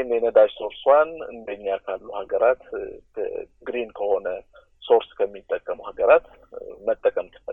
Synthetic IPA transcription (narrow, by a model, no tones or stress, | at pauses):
nenəd̪ad͡ʒso̞ɾswanɨ̰nd̪əɲːakʰalːuhaɡəɾat̪kʰə̰ɡɾinkʰəho̞nə | so̞ɾskʰəmːit̪ʼːəkʼːəmuhaɡəɾat̪ | mət̪ʼːəkʼəmt̪ʰɨbə̰